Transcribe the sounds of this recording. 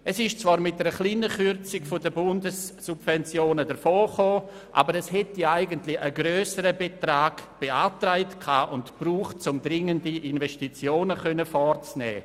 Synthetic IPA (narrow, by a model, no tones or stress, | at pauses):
ʔɛsɪʃt͡sv̥aːɾmɪt̚dɛɾəχliːnəχʏɾt͡sɪɡfodəbʊndəsːubvɛnt͡sjoːnədəɾfoːχoː | ʔa̰ːbəɾɛshɛtiaɪɡəntlɪəɡɾøːsəɾəbetɾaːɡ̥b̥eaːtɾaɪtkʰaːʔʊntb̥ruːχt̚t͡sʊmdɾɪŋəndiʔinvɛstit͡sjoːnəχœnəfɔɾt͡snɛ̰ː